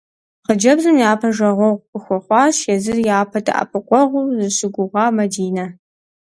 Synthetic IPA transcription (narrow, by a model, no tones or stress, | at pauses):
qəd͡ʒɐbzɨmjaːpʰɐʒɐʁʷɔʁʷpʰɨxʷɔχʷɑːʃɛzɨrjaːpʰɐtʰɨ̰ʔɐ̰pʰɨqʷɔʁʷuzɨɕɪɡʷʊʁɑːmɐdiːnɐ